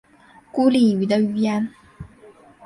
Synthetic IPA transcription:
ku˥li˥˩y˧˥d̪ə˧y˥˩jɛ˥n

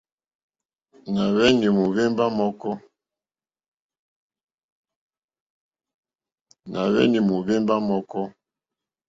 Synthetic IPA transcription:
na˨βɛ˦ni˨mu˨βe˦mba˦mɔ˦kɔ˦ | na˨βɛ̰˦ni˨mu˨βe˦mba˦mɔ˦kɔ˦

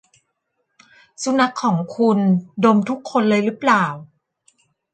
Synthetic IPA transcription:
su˧˥na˦˥kʰːɔː˩˦ŋkʰu˧ndo˧mt̪ʰu˦˥kʰːo˧nlɤː˧jɾɯː˦˥plaː˨˩w

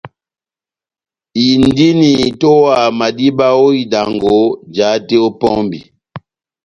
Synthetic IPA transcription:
i˨n˦di˦ni˨to˦wa˨ma˨di˦ba˦o˦i˨da˨ŋɡo˨˦d͡ʒa˨˦te˦o˦pɔ˦mbi˨

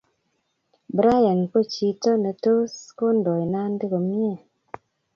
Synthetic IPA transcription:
bɾa˦ja˨nko˦˨t͡ʃi˨tɔ˦ne˨to˦sko˦ndɔ˨jna˦n˦di˦ko˨mje˦˨

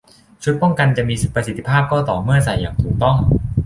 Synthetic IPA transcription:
t͡ɕʰu˦˥t̪̚pɔ˥˩ŋka˧nt͡ɕa˨˩ʔmiː˧si˨˩pɾa˧si˨˩t̪ːi̥˦˧pʰaː˥˩p̚kɔː˥˩t̪ɔː˨˩mɯ˥˩ɐsa˨˩˦jːaː˨˩ŋt̪ʰuː˨˩k̚t̪ɔ˥˩ŋ

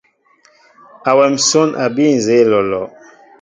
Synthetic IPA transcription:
a˨wɛ˨m˨so˦nʔa˨bi˦˨n˨ze˨˦˨lɔ˨lɔ˨

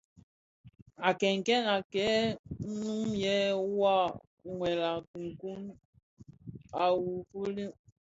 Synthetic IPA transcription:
a˨kɛ˨ŋ̩˨kɛ˦na˨kɛ˨˦n̩˦nũ˦jɛ˦wa˦˨ | ŋwɛ˨la˨ku˨ŋ˨ku˦m | a˨wu˨fu˦li˦

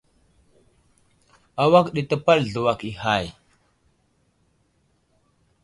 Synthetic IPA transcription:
a˨wa˦kɗi˨tə˦pa˦lɮu˨wa˨ki˨ha˨j

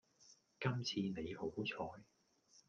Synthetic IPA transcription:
kɐ˥mt͡sʰiː˧ne˨˧jho˨˥wt͡sʰɔː˧j

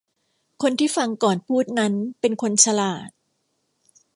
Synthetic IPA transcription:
kʰo˧nt̪ʰiː˥˩fa˧ŋkɔː˨˩npʰuː˥˩t̪̚na˦˥npe˧nkʰo˧nt͡ɕʰa˧laː˨˩t̪̚

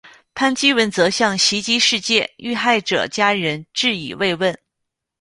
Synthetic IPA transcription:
pʰa˥nt͡ɕi˥wə˧˥nt͡sɤ˧˥ɕjɑ˥˩ŋɕi˧˥t͡ɕi˥ʂɻ̩˥˧t͡ɕjɛ˥˩y˥˧xa˥˩ɪʈ͡ʂɤ̰˨˩t͡ɕja˥ɻə˧˥nʈ͡ʂɻ̩˥˩ḭ˨˩we˥˧ɪwə˥˩n

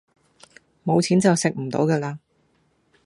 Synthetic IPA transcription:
mo˨˧wt͡sʰiː˨˥nt͡sɐ˨wsɪ˨k̚m̩˨˩t̪o̰˨˧˥wkɛː˧laː˧

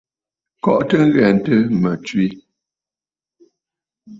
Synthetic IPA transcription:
kɔ̰˨ʔtə˦ŋ̩˦ɣɛ˨n̩˨tə˦mə˨t͡ʃwi˦

